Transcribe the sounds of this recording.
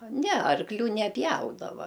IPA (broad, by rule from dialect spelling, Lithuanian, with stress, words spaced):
ˈnʲɛ ɐrkˈlʲuː nʲɛˈpʲjɛʊdɐʋɐ